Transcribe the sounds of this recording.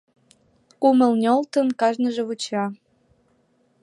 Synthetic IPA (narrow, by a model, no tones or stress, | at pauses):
kuməlnʲolt̪ənkɑʒnəʒeβut͡ɕɑ